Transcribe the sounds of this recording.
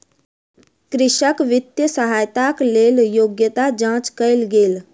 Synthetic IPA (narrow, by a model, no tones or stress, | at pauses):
kɾɪʃəkʋɪt̪jəsəɦaːjt̪akleːljoːɡjət̪ad͡ʒãːt͡ʃkəɪlɡeːl